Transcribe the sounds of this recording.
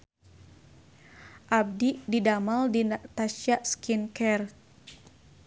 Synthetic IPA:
ʔab̚diʔdidamaldinat̪aʃjaʔskinkɛr

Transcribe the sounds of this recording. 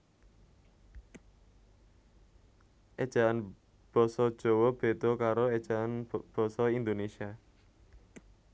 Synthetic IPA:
ʔed̥ʒ̥a̤an | b̥ɔ̤sɔd̥ʒ̥o̤wɔb̥e̤d̪̥ɔ̤kaɾoed̥ʒ̥aanb̥ɔ̤sɔind̪onesia

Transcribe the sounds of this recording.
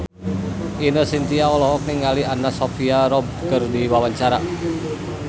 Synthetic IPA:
inəsint̪iaɔlɔɦɔk̚niŋalianasɔfiaɾɔb̚kərd̪iwawaɲt͡ʃaɾa

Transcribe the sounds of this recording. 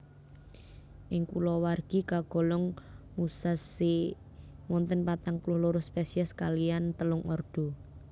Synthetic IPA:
ʔɪŋkulɔwarɡ̥i̤kaɡ̥ɔ̤lɔŋmusasi | mɔnt̪ənpat̪aŋpulʊhluɾʊspesiɛskalijant̪əlʊŋɔrd̪̥o̤

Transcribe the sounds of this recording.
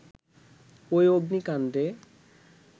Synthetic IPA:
ojoɡnikand̪e

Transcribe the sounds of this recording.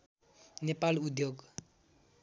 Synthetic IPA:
nepalud̪ʱjoɡ

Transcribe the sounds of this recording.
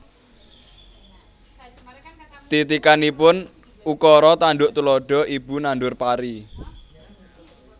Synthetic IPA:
t̪it̪ikanipʊn | ukɔɾɔt̪anɖʊʔt̪ulɔɖ̥ɔ̤ʔibunanɖʊrpaɾi

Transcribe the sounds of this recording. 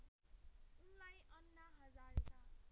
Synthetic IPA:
unlajʔʌnːaɦʌd͡zaɾetʰa

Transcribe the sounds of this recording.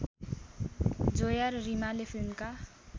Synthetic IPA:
d͡zojarrimalepʰilmka

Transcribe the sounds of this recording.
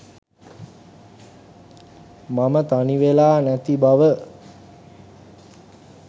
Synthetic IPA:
mamət̪aniʋelaːnæt̪ibaʋə

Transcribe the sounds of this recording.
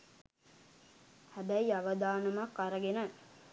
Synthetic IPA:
hæbæiaʋəd̪aːnɐmakːaɾəɡenə

